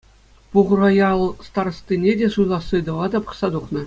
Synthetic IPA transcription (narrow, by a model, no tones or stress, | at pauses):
puʁ̆rojɑlˠst̪ɑr̆st̪ʲinʲedʲeʂujlˠɑsːɯd̪ɤ̆ʋɑd̪ɑpɤ̥̆χsɑd̪uχnɤ̆